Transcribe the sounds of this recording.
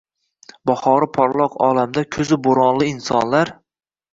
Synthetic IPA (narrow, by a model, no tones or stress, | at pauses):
bɒχɒɾɪpʰɒɾlˠɒqɒ̰lamd̪akʲʰɵzɪboɾɒnlˠɪɪnsɒ̰nlaɾ